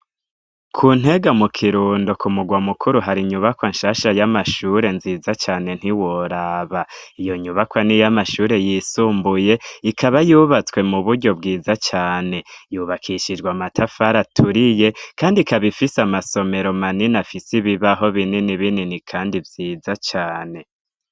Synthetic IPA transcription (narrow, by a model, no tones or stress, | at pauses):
kʰuːn̥e̞ɡamukʰiɾuːndokʰumuɡwamukʰuɾuɦaɾiɲuβakwaɲʃaʃajamaʃuɾe̞nziːzat͡ʃaːne̞n̥hiwoɾaːβaijo̞ɲuβakwanijamaʃuːɾe̞jiːsuːmbuje̞ikʰaβajuːβat͡swe̞muβuɾɟo̞b̚ɡiːzat͡ʃaːne̞juβakʰiʃid͡ʒɡwamatʰafaɾatʰuɾije̞kʰaːndikaβifisamaso̞me̞ɾo̞maninafisiβiβaɦo̞βininiβininikʰaːndivjiːzat͡ʃaːne̞